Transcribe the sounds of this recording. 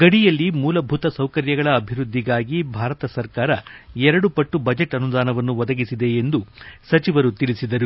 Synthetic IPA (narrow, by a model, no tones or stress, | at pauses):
ɡɐɽijɐlːimuːlɐbʱut̪ɐsɐwkɐɾjɐɡɐɭɐːbʱiɾud̪ʱːiɡaːɡibʱaːɾɐt̪ɐsɐɾkaːɾɐɛɾɐɽupɐʈːubɐd͡ʒeʈːɐnud̪aːnɐʋɐnːuʋɔd̪ɐɡisid̪e̞ːnd̪usɐt͡ʃiʋɐɾut̪iɭisid̪ɐɾu